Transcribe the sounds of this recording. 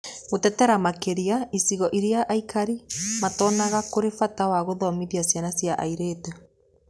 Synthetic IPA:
ɣotɛtɛɾamakeɾiaisiɣɔʔiɾjaʔaikaɾimatɔːnaɣakoɾefatawaɣoðɔmiðjasjanasjaʔa̰iɾete

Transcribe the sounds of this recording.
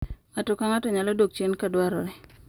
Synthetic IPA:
atʊkaŋatɔɲalɔdok̚t͡ʃenkadwaɾɔ̰ɾɛ

